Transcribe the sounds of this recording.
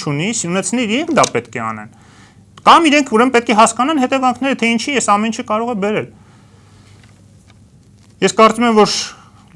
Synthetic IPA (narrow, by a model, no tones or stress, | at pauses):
t͡ʃʰunisunɛt͡sʰniiɾɛŋkʰd̪ɑpɛt̪kʰɛɑ̰nɛ̰n | kɑmiɾɛŋkʰuɾɛməpɛt̪̚kʰɛɦɑskɑnɑnɦɛt̪ɛvɑŋkʰn̪ɛɾət̪ʰɛint͡ʃʰijɛsɑmɛnit͡ʃʰəkɑɾɔʁɛbɛɾɛl | jɛskɑɾt͡sumɛmvɔɾ